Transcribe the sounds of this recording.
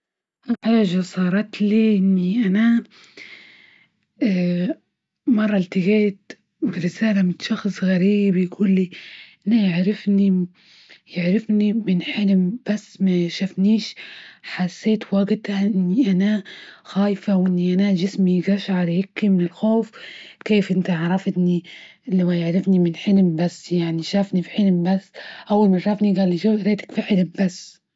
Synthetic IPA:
ʔaħaːʒasˤɑːɾˤɑt̪liʔɪnːiʔana | mɑrˤːɑlt̪ɪɣeːt̪ | bɪɾɪsaːlamɪtʃɑxsˤɣaɾiːbjɡuːlːiʔanajɪʕɾɪfni | jɪʕɾɪfnimɪnħɪlɪmb̥asːmaʃafniːʃħasːeːt̪waɡt̪aʔʔɪnːiʔanaxaːjfawʔɪnːiʔanaʒɪsmiɡaʃʕɑɾˤhɪkːimɪnɪlxoːfkeːfʔɪnt̪aɑʕɾˤɑft̪nilawajɪʕɾɪfnimɪnħɪlmbasːjaʕniʃaːfnifiħɪlmbasːʔawːalmaʃˤɑfniɡalːiʃuɾeːt̪ḁkfiħɪlmbasː

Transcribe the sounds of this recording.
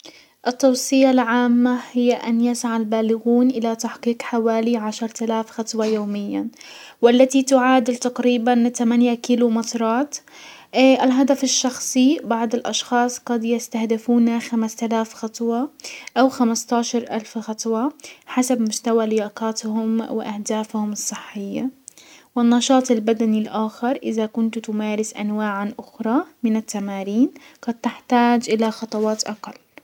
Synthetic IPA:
ʔɪt̪ːɑwsˤɨjalʕaːmːahɪjːaʔanjasaʕalbaːlɪɣuːnʔɪlat̪aħqiːqħawaːliʕaʃɑɾˤt̪alaːfxɑt̪ˤwɑjoːmɪjːawɪlːat̪it̪ʊʕaːd̪ɪlt̪aqɾiːbant̪amanjakilumɪt̪ɾˤɑːt̪ː | ʔɪlɦad̪afɪʃːɑxsˤibɑʕd̪ˤɪlʔɑʃxɑːsˤqɑd̪jɪst̪ahd̪ɪfuːnaxamast̪alaːfxɑt̪ˤwɑʔawxamast̪ɑːʃɑɾˤʔalfxɑt̪ˤwɑħasabmʊst̪awalɪjaːqɑːt̪hʊmwɪ̰ʔahd̪aːfhʊmɨsˤːɨħːɪjːawɪnːɑʃɑːt̪ˤɪlbad̪anilʔaːxɪɾˤʔɪðakʊnt̪t̪ʊmaːɾɪsʔa̰nwaːʕanʔʊxɾˤɑmɪnat̪ːamaːɾiːnɡ̥ɑd̪̚t̪ɪħt̪aːd͡ʒʔɪlaxɑt̪ˤɑwɑːt̪ʔɑqɑlː

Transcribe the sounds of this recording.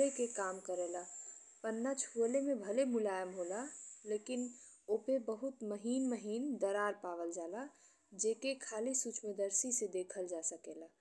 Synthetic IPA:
lekekamkəɾɛla | pənːat͡ʃʰuəlemebʱəlemulajəmɦolalekin | opebəɦut̪məɦinməɦind̪əɾaɾpaʋəld͡ʒala | d͡ʒekekʰalisut͡ʃməd̪əɾsisẽd̪ekʰəld͡ʒasəkela

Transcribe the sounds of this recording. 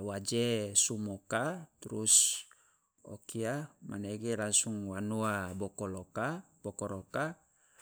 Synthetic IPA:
wad͡ʒesumokat̪uɾus | ɔ̰kiamʔaneɡɛlaŋsuŋwanuabɔkɔloka | b̥ɔkɔɾoka

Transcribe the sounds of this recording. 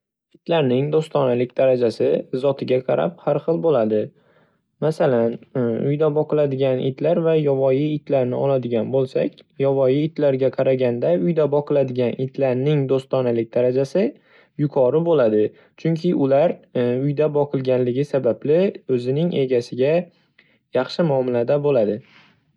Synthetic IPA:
ɪt̪ʰlaɾnɪŋd̪ost̪ɒnalɪk̚ʲd̪aɾad͡ʒasɪzɒt̪ʰɪɡʲaqʰɑɾa̰p̚haɾχɨlˠbolad̪ɪ | masalanʊ̰jd̪abɒqɨlad̪ɪɡʲanɪ̰t̪ʰlaɾvajɒvɒjiɪt̪laɾnɪɒlad̪ɪɡʲanbolˠsa̰kʲjɒvɒjiːt̪laɾɡʲaqʰɑɾaɡʲand̪aʊjd̪abɒqʰɨlˠad̪ɪɡʲanɪt̪ʰlaɾnɪŋd̪ost̪ɒnalɪk̚ʲd̪aɾad͡ʒasɪ | jʊkʰɒɾɪbolad̪ɪ | t͡ʃʰʊŋkʲʰɪʔʊlaɾʊjd̪abɒqʰɨlˠɡʲanlɪɡʲɪsabablɪɵzɪnɪŋʔe̞ɡʲasɪɡʲa | jɑχʃɪmɒmɪlad̪abolad̪ɪ

